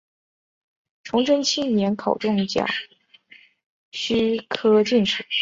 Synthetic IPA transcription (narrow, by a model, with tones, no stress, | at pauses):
ʈ͡ʂʰʊ˧˥ŋʈ͡ʂə˥nt͡ɕʰi˥njɛ˧˥nkʰɑ˨˩ʊʈ͡ʂʊ˥˧˩ŋt͡ɕjɑ̰˨˩˦ | ɕy˥kʰɤ˥t͡ɕi˥˩nʂ̩˨˩˦